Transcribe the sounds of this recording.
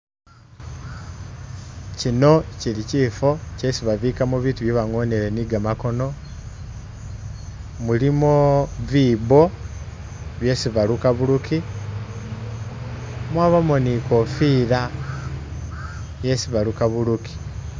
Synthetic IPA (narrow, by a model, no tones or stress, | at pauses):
cino̞ciliciːfo̞cesiβaβikamuβiːtuβjeβaŋo̞neɾe̞niɡamako̞no̞ | mulimoβiːβo̞ | βje̞siβalukaβuluki | mwaβamonikofiːɾa | je̞siβalukaβuluki̥